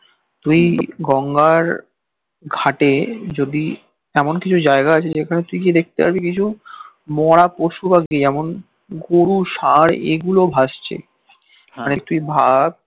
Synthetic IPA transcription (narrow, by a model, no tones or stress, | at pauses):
t̪ujɡɔŋɡaɾ | ɡʱaʈed͡ʑod̪i | ɛmonkit͡ɕʰud͡ʑaeɡaat͡ɕʰeekʰanet̪ujkid̪ek̚t̪ea̰ʃbikit͡ɕʰu | mɔɽ̃apoʃubaɡiɛmon | ɡoɾuʃaɾḛɡulobʱaʃt͡ɕʰḛ | manet̪ujbʱab̚